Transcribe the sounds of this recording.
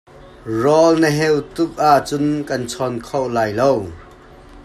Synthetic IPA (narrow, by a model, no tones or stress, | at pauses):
rɔlnəɦɛwt̪ʊk̚aʔt͡sʊnkɐnt͡sʰɔnkʰowʔlaːjlow